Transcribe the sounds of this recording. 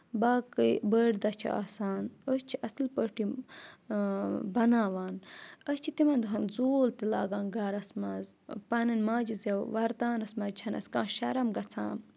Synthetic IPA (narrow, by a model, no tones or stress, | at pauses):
baːkəbəːɖd̪ɐt͡ʃʰḭa̰ːsaːnost͡ʃʰiʔɐslpəʈi | bɐnaːʋaːnɐst͡ʃʰit̪imɐnd̪uɦɐnzoːlt̪ila̰ːɡaːnɡɐɾɐsmɐzpɐnɐnmaːd͡ʒizewʋɐɾt̪aːnɐsmɐzt͡ʃʰɐnɐ̰skãːʃɐɾɐmɡɐt͡sʰã̰ːn